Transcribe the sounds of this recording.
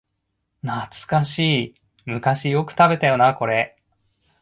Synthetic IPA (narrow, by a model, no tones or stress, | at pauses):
nat͡sɨ̥kaɕiː | mɯ̟kaɕijo̞kɯ̟̥t̪abe̞t̪ajo̞nako̞ɾe̞